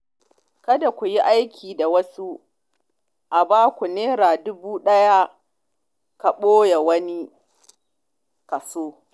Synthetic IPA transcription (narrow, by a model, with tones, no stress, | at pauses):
kɐ˦da˨kʷu˨ji˦ʔa˦jkʲʰiː˨da˨wɐ˦su˦ | ʔa˨baː˦kʷu˨neː˦ɾaː˨dʊ˦buː˦ɗɐ˦ja˦ | ka˨ɓoː˦ja˨wɐ˦ni˦ | kɐ˨soː˦